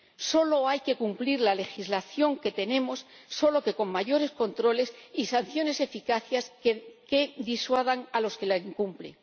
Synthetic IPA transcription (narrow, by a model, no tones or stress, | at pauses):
so̞lo̞ajke̞kumpliɾlale̞xizlaθjo̞ŋke̞t̪e̞ne̞mo̞sːo̞lo̞ke̞ko̞ŋmaʝo̞ɾe̞sko̞nt̪ɾo̞le̞sisan̟θjo̞ne̞se̞fikaθjasked̪iswaðaŋalo̞ske̞laiŋkumplḛŋ